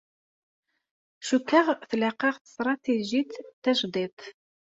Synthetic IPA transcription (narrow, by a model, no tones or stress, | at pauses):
ʃukːəʁθleqɑʁθə̥st̪ɾˤɑt̪eʒit̪ːæʃd̪ˤit̪ˤ